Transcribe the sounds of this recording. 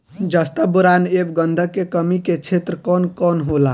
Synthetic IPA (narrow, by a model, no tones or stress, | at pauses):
d͡ʒəst̪əbuɾanebɡənd̪ʱəkːekəmiket͡ʃʰet̪ɾəkɔnkɔnɦola